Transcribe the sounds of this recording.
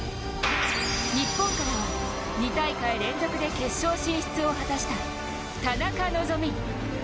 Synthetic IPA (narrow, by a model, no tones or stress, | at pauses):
ɲipːõ̞ŋkaɾamo | ɲ̟it̪aikaiɾẽ̞nd͡zo̞kɯ̟d̪e̞ke̞ɕːo̞ːɕĩɰ̃ɕi̥t͡sɨo̞hat̪aɕi̥t̪a | t̪anakano̞zo̞mʲi